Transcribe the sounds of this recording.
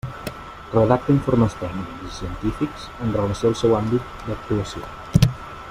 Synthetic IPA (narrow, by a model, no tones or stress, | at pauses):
reðak̚t̪aiɱfoɾməst̪ɛɡnniksisient̪ifiksenronsɛlˠsɛwambit̪̚d̪ak̚t̪uasjo̰